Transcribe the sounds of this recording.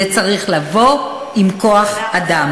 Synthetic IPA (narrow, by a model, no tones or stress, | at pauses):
et͡saʁiχlavo̞ | imko̞aχadam